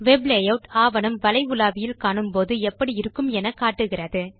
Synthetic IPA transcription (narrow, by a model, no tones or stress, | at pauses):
ʋɛbleːjɐʋʊʈaːʋɐnɯmʋɐlɐɪʊlaːʋɪjɪlkaːɳɯmpoːðɯɛpːɐɽiɪɾɯkːɯmɛnɐkːaːʈːɯɣɪrɐðɯ